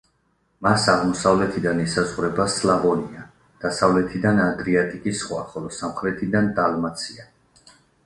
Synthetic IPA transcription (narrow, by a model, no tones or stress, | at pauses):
masaʁmɔsavlɛt̪ʰid̪anisazʁwɾɛbaslavɔnia | d̪̥asavlɛt̪ʰid̪anad̪ɾiat̪ʼikʼisχwa̰χɔlɔsamχɾɛt̪ʰid̪and̪almat̪sʰia